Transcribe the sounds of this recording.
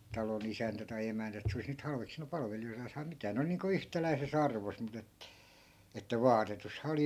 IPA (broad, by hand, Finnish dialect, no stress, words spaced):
tɑlon isæntæ tɑi emæntæ et se olis nyt hɑlʋeksinu pɑlʋelijoitɑːs tɑi mitæː ne ol niːŋku yhtælæi̯ses ɑrʋos mut et etːæ ʋɑːtetushɑ oli